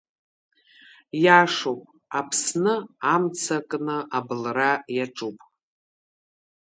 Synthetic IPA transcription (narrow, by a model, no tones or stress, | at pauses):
jaʂopʼ | apʰsnɨamt͡sʰakʼnɨʔabɨlrajaʈ͡ʂʼupʼ